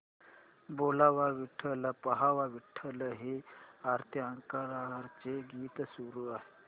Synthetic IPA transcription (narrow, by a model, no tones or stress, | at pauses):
bolaʋaʋiʈʰələpəɦaʋaʋiʈʰːələɦeaɾt̪ʰjəaŋkaɾaɾt͡seɡiːt̪suɾuaɦe